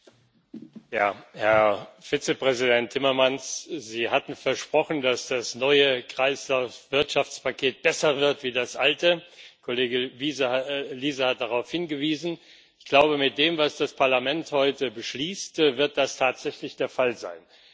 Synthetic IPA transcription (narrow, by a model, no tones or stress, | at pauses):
jaːhɛɐfiːt͡səpʁ̥ɛzidɛntʰːɪmɐmansz̥iːhatn̩fɛɐʃpʁ̥ɔχn̩dasd̥asnɔʏəkʁ̥aɪslaʊsv̥ɪɐtʃaft͡spʰakʰeːt̚b̥ɛsɐvɪɐtv̥iːdasʔaltəkʰoleːɡəviːzəliːzəhat̚d̥aʁaʊfhɪnɡəviːzn̩ | ɪçɡ̥laʊbəmɪt̚d̥eːmvasd̥aspʰaɐlamɛnthɔʏtəbəʃliːstvɪɐt̚d̥astʰaːtz̥ɛçlɪçd̥eːɐfalza̰ɪn